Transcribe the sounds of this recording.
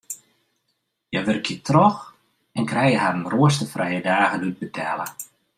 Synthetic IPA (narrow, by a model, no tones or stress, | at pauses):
jɛʋɵrkʰjətrɔx | ɛnkrɛjəharənruəstəfrʔɛjədaːɣənyt̚bətʰɛːlə̰